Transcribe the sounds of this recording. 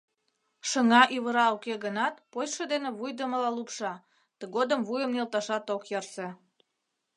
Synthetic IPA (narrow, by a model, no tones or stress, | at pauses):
ʃəŋɑʔyβəɾɑokeɣənɑt̪pojʃəd̪enĕβujd̪əməlɑlupʃɑ | t̪əɣod̪əmvujəmnelt̪ɑʃɑt̪okjɑrse